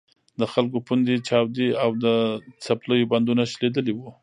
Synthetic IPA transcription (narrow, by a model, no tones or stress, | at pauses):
d̪əxalkopund̪it͡ʃɑwd̪iawd̪ət͡sapləjoband̪unaʃled̪əliwu